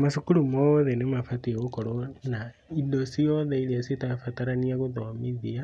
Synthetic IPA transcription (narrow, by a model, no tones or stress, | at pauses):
maʃukulumooðenemafatieɣokoɾona | indosijoðeiliasitafataɾaniaɣuoðoamiðia